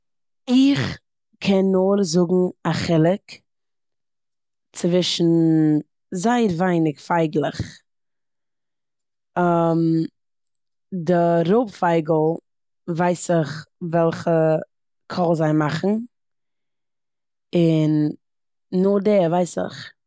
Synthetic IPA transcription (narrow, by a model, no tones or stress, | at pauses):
ɪχ | kʰɛnːoɾzʊɡŋ̩aχɪlˠɪk | t͡sɪvɪʃn̩ | zaɪəɾvaɪnɪkfaɪɡlˠɪχ | am | dɪɾoʊpfaɪɡl̩ˠ | vaɪsɪχvɛlˠχə | kʰɔlˠzaɪmaχn̩ | ɪnː | ʊdɛːɾvaɪsɪ̰χ